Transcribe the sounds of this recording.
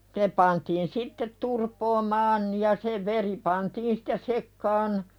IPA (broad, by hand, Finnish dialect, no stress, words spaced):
ne pɑntiːn sitːet turpoːmɑːn jɑ se ʋeri pɑntiːn si̥tːe sekːɑːn